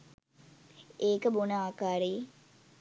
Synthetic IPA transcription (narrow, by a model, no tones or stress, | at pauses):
eːkəbonəaːkaːɾe